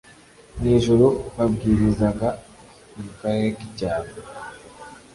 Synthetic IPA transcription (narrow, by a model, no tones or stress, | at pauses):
neːʒuɾoβabɡiːɾizaɡa | umukaɾeɾekicaːβo